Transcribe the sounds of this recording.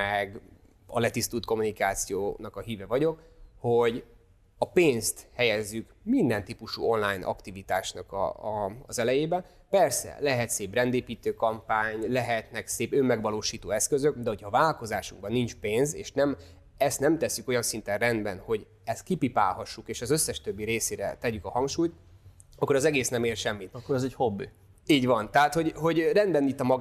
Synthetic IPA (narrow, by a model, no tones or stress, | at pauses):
ɛɡ | ɒ̰lɛt̪ist̪uːlt̪ko̞munikaːt̪sijo̰ːnɒkɒɦiːvɛvɒɟo̞kho̞ɟ | ɒpeːnst̪hɛjɛzːykmind̪ɛnt̪iːpuʃṵːo̞nlaːjnʔɒ̰kt̪ivit̪aːʃnɒkɒ̰ːzɛlɛjeːbɛ | pɛrsɛ̰lɛɦɛt̪seːbrɛnd̪eːpiːt̪øːkɒmpaːɲlɛɦɛt̪nɛkseːpømːɛɡʋɒloːʃiːt̪oːɛskøzøkd̪ɛɦo̞chɒvaːlk̪o̞zaːʃuŋɡ̚bɒnːint͡ʃpeːnzeːʃnɛm | ɛst̪nɛmt̪ɛsːyko̞jɒnsint̪ɛnrɛnd̪bɛnho̞ɟ | ɛst̪̚kipipa̰ːlhɒʃːukeːʃɒzø̞sːɛʃt̪øbːiɾeːseːɾɛ̰t̪ɛɟykɒhɒŋkʃuːjt̪ | ɒkːoɾɒzɛɡeːsnɛmeːrʃɛmːit̪kːoɾɛzɛchobːi | iːɟvɒnt̪ɛɦaːt̪ho̞ɟɦo̞ɟrɛnd̪bɛnit̪ːɒmɒɡ